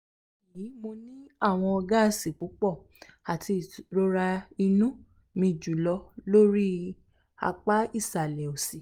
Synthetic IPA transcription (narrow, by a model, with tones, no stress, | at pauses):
i˨jĩ˨˦mo˧nĩ˦a˦˨w̃ɔ̃˧ɔ˧ɡa˦˧˨si˨k͡pu˨˦k͡pɔ˦˨ | a˨tʰi˧˨ɾo˦ɾa˧i˧nũ˦ | mĩ˧˨d͡ʒu˨lɔ˧lo˦ɾi˦ | a̰˧k͡pa˦i˦˨sa˨lɛ˨o˨si˨